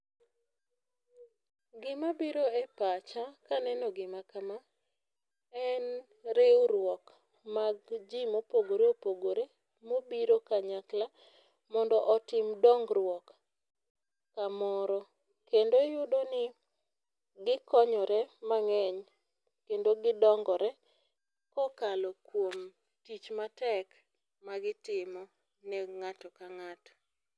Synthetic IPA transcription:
ɡɪmabiɾoɛpat͡ʃakanɛnɔɡɪmakama | ɛn | ɾewɾwɔk | maɡd͡ʒimopoɡoɾeopoɡoɾe | mobiɾokaɲakla | mɔndɔʔɔtɪmdɔŋɡɾwɔk | kːamɔɾɔ | kendojʊdonɪ | ɡɪkɔɲɔɾɛmaŋɛɲ | kendoɡɪdɔŋɡɔɾɛ | kɔkalɔkwom | tit͡ʃmatɛk | maɡɪtɪmɔ | nɛŋatɔkaŋatɔ̥

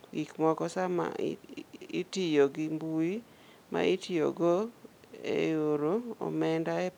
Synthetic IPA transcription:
ɡikmɔkɔsama̰ | itijoɡimbui | ma̰itijo̰ɡo | ḛjoɾoɔ̰mɛndae

